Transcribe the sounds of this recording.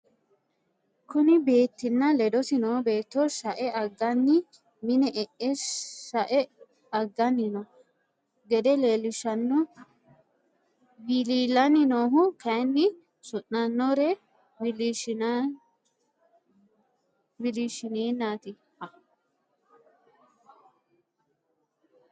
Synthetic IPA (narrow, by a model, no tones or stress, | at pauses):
kʊnɪbe̞ːt̪ːɪnːɐlɛd̪ɔsɪnoːbe̞ːt̪ːoʃɐʔɛʔɐɡːɐnːɪ | mɪnɛʔɛʔɛsɐʔɛ | ɐɡːɐnːɪnɔ | ɡɛd̪ɛleːlɪʃɐnːɔ | biliːlɐnɪnoːɦʊkɐjnːɪ | sʊnnɐnːɔɾɛ | bɪliʃ | bɪliːʃɪneːnːaːt̪ɪ | hɐ